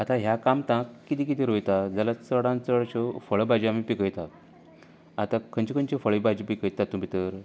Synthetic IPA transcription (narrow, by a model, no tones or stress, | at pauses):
at̪ãɦjakamt̪ãkːit̪ik̬it̪iɾojt̪ad͡zalat͡səɽãnt͡səɭt͡ɕɔfəɭbad͡ʑiam̤ipikəjt̪a | at̪ãkʰːənt͡ɕikənt͡ɕefəɭibad͡ʑipikəjt̪ːat̪ːum̤it̪əɾ